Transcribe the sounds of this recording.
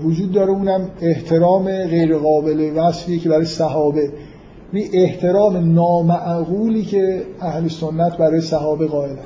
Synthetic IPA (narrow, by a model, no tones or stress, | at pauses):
vod͡ʒuːd̪̚ːɒːɾeuːnæmeht̪ʰe̞ɾɒːmeɣe̞jɾeɣɒːbe̞levæsfiːecʰebæɾɒːjesæɦɒːbe̞ | jæniʔeht̪ʰe̞ɾɒːme̞nɒːmæʔɣuːliːcʰe̞æhleso̞nːæt̪ʰbæɾɒːjesæɦɒːbe̞ɣɒːe̞læs